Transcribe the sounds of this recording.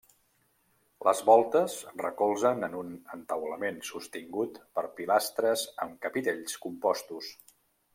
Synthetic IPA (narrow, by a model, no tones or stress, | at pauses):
ləzβɔlˠt̪əzrəkɔlˠzənənunənt̪əwləmensust̪iŋɡut̪pəɾpilast̪ɾəzəmkəpit̪eʎskumpɔst̪us